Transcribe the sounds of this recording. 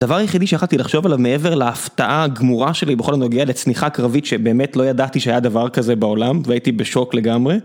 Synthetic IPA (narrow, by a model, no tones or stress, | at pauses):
d̥̪avaʁjeχid̪iʃeaχalt̪ilaχʃo̞valavmee̞ve̞ʁlaːft̪aʔaɡmuʁaʃe̞libeχo̞lanoɡealet͡sniχakʁavitʃebe̞ːmetlo̞jad̪at̪iʃeajad̪avaʁkazebaolamveait̪ibeʃo̞kle̞ɡamʁe